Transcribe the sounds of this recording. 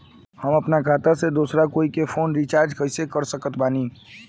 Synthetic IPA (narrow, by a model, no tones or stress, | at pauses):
hɐmɐpnakʰaːt̪ased̪uːsɾakoːikefʰoːnɾit͡ʃaːɾd͡ʒkɐɪsekəɾsəkət̪baːniː